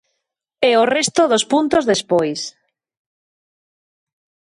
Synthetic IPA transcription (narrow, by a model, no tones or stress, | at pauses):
ɛorest̪oðospunt̪ozðespojs